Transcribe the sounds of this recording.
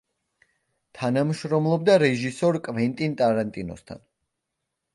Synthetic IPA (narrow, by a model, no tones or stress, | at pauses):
t̪ʰanamʃɾɔmlˠɔbd̪aɾɛʒisɔɾkʼvɛnt̪ʼint̪ʼaɾant̪ʼinɔ̰st̪ʰa̰n